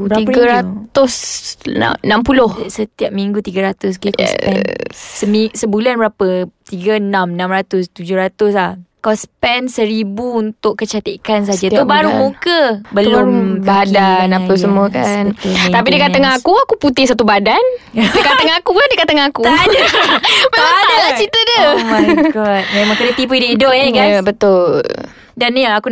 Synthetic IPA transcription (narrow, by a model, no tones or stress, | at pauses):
bɾiɡaɾat̪ʊs | nampulʊhsət̪iap̚miŋɡut̪iɡaɾat̪ʊs̬kiksɛsəmisəbulanbəɾapət̪iɡənãmnãmɾat̪ʊst̪ud͡ʒʊhɾat̪ʊs̬lahkɔspɛnsəɾibuunt̪ʊʔkːət͡ʃat̪ikans̬ad͡ʒaubaɾumukəbəlʊmbadanaasəmuəkant̪apidəkat̪aŋakuakuput̪ɪhsat̪ubadandəkat̪aŋakuadəkat̪aŋaku | memãŋadalat͡ʃit̪ədəmãjɡɔt̪̚mẽmãŋkəɾət̪ip̬uidəidʊʔ̚ekabət̪ʊl | danaku